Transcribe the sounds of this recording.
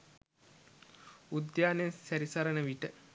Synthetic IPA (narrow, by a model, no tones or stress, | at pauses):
ud̪jaːnesæɾisaɾənəʋiʈə